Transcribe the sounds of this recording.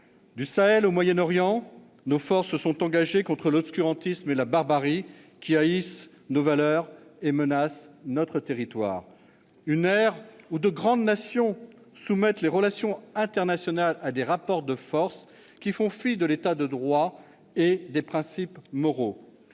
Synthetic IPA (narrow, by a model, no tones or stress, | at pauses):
d̪ysaɛlomwajɛnɔʁjɑ̃ | nofɔʁsəsɔ̃t̪ɑ̃ɡaʒekɔ̃t̪χəlɔpskʲyʁɑ̃t̪ismelabaʁbaʁi | kʲiais | novalœʁemənasnɔt̪χət̪eʁit̪wa̰ːʁ | ynɛʁud̪əɡʁɑ̃d̪nasjɔ̃ | sumɛt̪leʁəlasjɔ̃ɛ̃t̪ɛʁnasjɔnalad̪eʁapɔʁd̪əfɔʁs | kʲifɔ̃fid̪əlet̪ad̪əd̪ʁwa | ed̪epχɛ̃sipmɔʁo